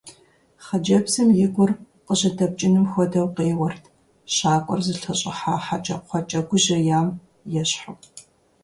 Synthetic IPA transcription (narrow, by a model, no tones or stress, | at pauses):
χɐd͡ʒɐbsɨmjɪɡʷʊr | qəʑɐdɐb̚t͡ʃʼɪnɨmxʷɔdɐwqeːwɐrtʰ | ɕaːkʷʼɔ̰rzɨɬʰɐɕʼɪ̰ħaːħat͡ʃʼɐɔt͡ʃʼɐɡʷʊʑɐjaːm | jɛɕħaw